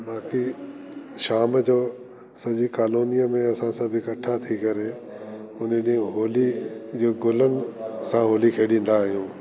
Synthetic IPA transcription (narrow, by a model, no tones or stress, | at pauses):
baːki | ʃaːmd͡ʑoː | sɐʄikaːloːnijəmẽɐsãsãbʱɪkɐʈʰat̪ʰikɐɾe | ʊnəɗĩɦoːlid͡ʑiːɡʊlənɪ̆sãɦoːlikʰeːɗĩːn̆d̪aːɦijũː